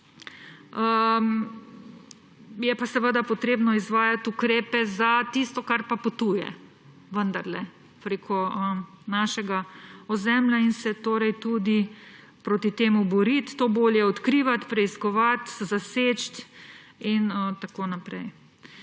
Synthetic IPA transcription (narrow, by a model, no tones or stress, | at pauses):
əm | jɛpasɛʋəd̪apɔt̪ɾeːbnɔizʋaːjat̪ukɾeːpɛzat̪ist̪ɔkaɾpapot̪uːjɛ̰ | ʋənd̪aɾlɛ | pɾeːkʰɔə | naːʃɛɡaɔzɛmlʲjainsɛt̪oːɾɛjt̪uːd̪i | pɾoːt̪it̪eːmubɔɾit̪ːoːboːljɛɔt̪kɾiːʋat̪pɾɛiskɔʋat̪zaset͡ʃt̪ | inət̪akoːnapɾɛj